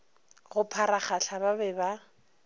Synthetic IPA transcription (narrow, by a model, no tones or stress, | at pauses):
ɣʊpʰaɾaχaɬababɛba